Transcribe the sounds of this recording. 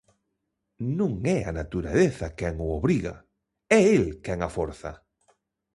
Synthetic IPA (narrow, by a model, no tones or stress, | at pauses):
nũŋɛa̰nat̪uɾaleθakɛŋʊoβɾiɣa̰ | ɛelkɛŋafoɾθa̰